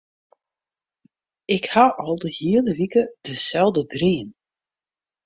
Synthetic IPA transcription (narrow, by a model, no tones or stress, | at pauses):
ɪkhaʔɔlˠdəhiələʋikəd̥əsɛlˠdədriən